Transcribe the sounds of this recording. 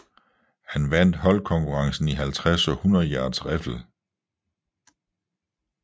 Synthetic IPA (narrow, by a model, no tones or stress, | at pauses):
hænʋæn̰d̥ɦɒ̽lkʰɒ̽ŋkʰuʁɑ̈ŋsn̩iɦælt͡sʰʁasɒ̽hunɐð̩ˠjæːd̥sʁɛfl̩